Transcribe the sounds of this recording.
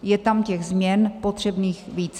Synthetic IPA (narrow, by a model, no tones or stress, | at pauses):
jɛt̪amcɛɣzmɲɛnpo̞t̪r̝̥ɛbniːxviːt͡s